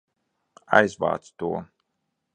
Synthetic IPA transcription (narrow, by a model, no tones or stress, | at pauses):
ajzva̰ːt̪st̪uɔ